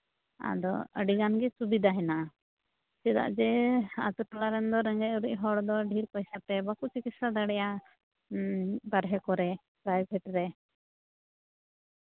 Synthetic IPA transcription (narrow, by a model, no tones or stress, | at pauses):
a̰d̪ɔ̰ə̰ɖiɡanɡɛsubid̪aɦɛna | sɛd̪a̰ʔd͡ʒɛa̰t̪uʈɔlaɾɛnd̪ɔɾɛŋɡɛʔuɾic̚ˀɦɔɽd̪ɔɖʱiɾpajsap̪ɛbakut͡ʃikit̪sad̪aɽɛja | baɾɦɛkɔɾɛ | pɾajbʱɛʈɾɛ